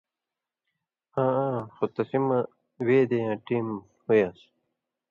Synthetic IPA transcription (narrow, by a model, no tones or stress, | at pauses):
ãːãːxot̪ɐsimɐ | weːd̪ejãːʈiːm | hujaːs